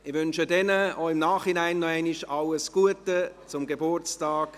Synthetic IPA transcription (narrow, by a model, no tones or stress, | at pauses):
ɪʋʏnʃədɛnəoɪmnaːχhinaɪnːɔɛɪniʃɑləsɡ̥uətət͡sʊmɡebʊrt͡staːk